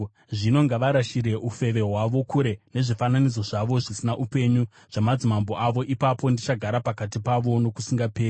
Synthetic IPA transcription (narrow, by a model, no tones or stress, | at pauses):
ʐino̞ŋɡaʋaɾaʃiɾe̞ʔufe̞ʋe̞ɦwaʋo̞kuɾe̞ne̞ʐifananid͡zo̞ʐaʋo̞ʐisinaʔupe̞ɲu | ʐ̥amad͡zimambo̞ʔaʋo̞ʔipapo̞ndit͡ʃaɡʱaɾapakatipaʋo̞no̞kusiŋɡapeːr